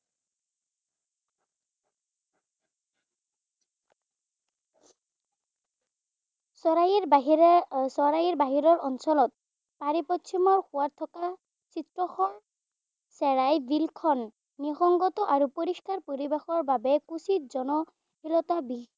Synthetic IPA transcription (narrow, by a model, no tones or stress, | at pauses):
aɦsɔɹajiɹbaɦiɹɔɹɔnsɔlɔt̪̚ | paɹipɔtsʰimɔɹhʊwat̪ʰɔka | sitɹɔxɔ | sɛɹajbilkʰɔnː | ixɔŋɡɔt̪ɔʔaɹupoɹiskaɹpoɹibexɔɹbabɛkusit̚zɔnɔ | ilɔt̪abi